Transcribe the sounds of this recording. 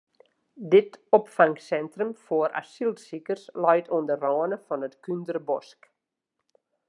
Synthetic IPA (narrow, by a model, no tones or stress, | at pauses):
dɪtɔpfaŋksɛntrəmfoəɾʔa̰silˠtsikərslɔjtʰoəndərɔːənəfɔnətkyndərbɔ̰sk